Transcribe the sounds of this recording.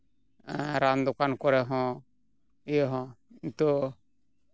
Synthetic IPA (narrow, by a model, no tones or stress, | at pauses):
ɾamd̪ɔkankɔɾɛɦɔ̃ | ijɦɔ̃int̪ɔ